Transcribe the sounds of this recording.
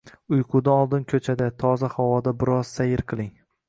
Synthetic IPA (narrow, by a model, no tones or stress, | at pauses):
ʊjqʰʊd̪aɒlˠd̪ɪnkʲʰɵt͡ʃʰad̪at̪ʰɒzahawɒd̪abɪɾɒzsajɪɾqʰɨlˠɪŋ